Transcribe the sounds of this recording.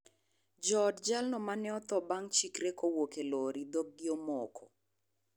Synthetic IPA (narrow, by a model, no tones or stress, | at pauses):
d͡ʒɔdd͡ʒalnɔmanɛɔt̪ɔbaŋt͡ʃikɾekowokeloɾid̪oɡ̚ɡɪɔmɔkʰɔ